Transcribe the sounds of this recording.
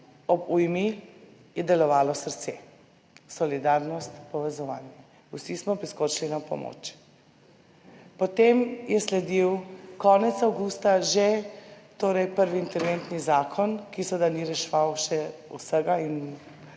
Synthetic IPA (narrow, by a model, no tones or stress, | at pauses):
ɔbujmi | jɛd̪ɛlɔʋaːlɔsəɾt̪sḛ | sɔlid̪aɾnɔst̪pɔʋɛzɔʋa̰ːnjɛ | usismɔpɾiskoɾʃlinapɔ̰mo̰ːt͡ʃ | pɔt̪emjɛslɛd̪iwkɔnɛt̪sawɡust̪aʒet̪oːɾɛjpəɾʋiːnt̪ɛɾʋent̪nizaːkʰɔnkisɔd̪aniɾɛʃʋawʃɛusəɡain